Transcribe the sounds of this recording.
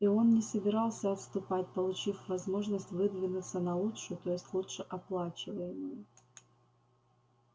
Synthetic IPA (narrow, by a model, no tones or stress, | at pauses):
io̞nːʲɪsəbʲɪɾɑlˠsʲəɐt̪st̪ʊpatʲpəlˠʊt͡ɕifvɐzmo̞ʐnəsʲtʲvɨd̪vʲɪnʊt̪sənɐlˠutʂɨʊt̪o̞jɪsʲtʲlˠutʂɨʔɐplˠat͡ɕɪvəjɪmʊjʊ